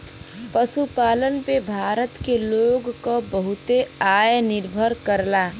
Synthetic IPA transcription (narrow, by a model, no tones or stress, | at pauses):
pəsupaːlənpebʱaːɾət̪keloɡkobəɦʊt̪eaːjnɪɾbʱəɾkəɾla